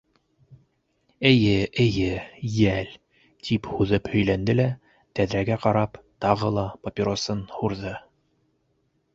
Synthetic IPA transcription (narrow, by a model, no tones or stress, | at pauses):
ɘ̆jɘʔɘ̆jɘjæl | t̪ʰiphuðɤphɵ̆jlænd̪ɘlæ | t̪æðɾæɡæqɑɾɑp | t̪ɑʁɤlˠɑpopʲɪɾosɤnhuɾðɤ